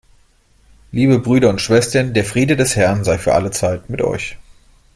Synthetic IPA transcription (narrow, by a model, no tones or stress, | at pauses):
liːbəbʁyːɾɐʊntʃv̥ɛstɐndeːɐfʁ̥iːdədɛshɛɐnzaɪfyːɐʔa̰lət͡saɪtmɪtʔɔ̰ʏç